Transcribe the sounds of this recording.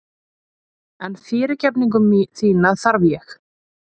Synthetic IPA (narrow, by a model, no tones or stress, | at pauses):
ɛnfɪːɾɪcɛpniŋk̬ʏmːiθiːnaθaɾvjɛx